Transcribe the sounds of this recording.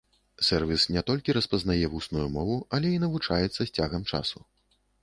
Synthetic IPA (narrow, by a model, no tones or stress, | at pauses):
sɛrvʲisnʲɛt̪ɔlʲkʲiɾɐspɐznajɛvusnujumɔvuɐlʲɛinɐvut͡ʂajɛt̪sːɐsʲt͡sʲaɣɐmt͡ʂa̰su